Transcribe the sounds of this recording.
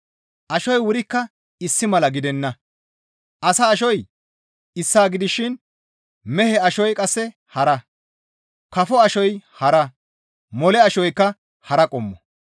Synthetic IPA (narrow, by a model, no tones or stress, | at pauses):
ʔɐʃɔjwʊɾɪkːɐ | ɪsːɪmɐlɐɡɪd̪ɛnːɐ | ʔɐsɐːʃɔj | ɪsːaːɡɪd̪ɪʃɪn | mɛhɛɐʃɔjkʼɐsːɛ | hɐɾɐ | kɐfɔɐʃɔjhɐɾɐ | mɔlɛɐʃɔjkːɐ | hɐɾɐkʼɔmːɔ